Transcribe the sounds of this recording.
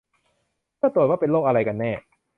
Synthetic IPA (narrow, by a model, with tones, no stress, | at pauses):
kɯ˥˩t̪ɾu˨˩t̪̚waː˥˩pe˧nloː˥˩k̚ʔa˧ɾa˧jka˧nːɛː˥˩